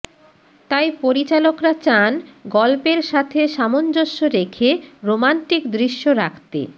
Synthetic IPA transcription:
t̪ajpoɾit͡ɕalokɾat͡ɕanɡɔlpeɾʃat̪ʰeʃamond͡ʑoʃːoɾekʰeɾomanʈikd̪ɾiʃːoɾakʰt̪ḛ

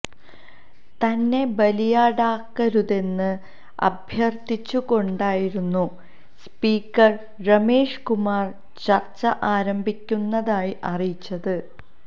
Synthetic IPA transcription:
t̪ɐnːe̞bɐlijaːɽaːkːɐɾuðe̞nːɨ | ɐ̰bʱjɐrt̪it͡ɕːuko̞ɳɖaːjiɾunːu | spiːkːɐr | rɐme̞ːʂkumaːr | t͡ɕɐrt͡ɕːɐʔaːɾɐmbʱikʲːunːɐðaːjiʔɐrijit͡ɕːɐðɨ

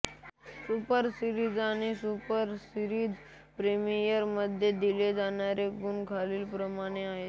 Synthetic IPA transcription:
supəɾsiɾid͡zañisupəɾsiɾiːd̪ | pɾemijəɾməd̪ʱjed̪iled͡zanjaɾeɡunkʰaliːlpɾəmaɽ̃eaɦe

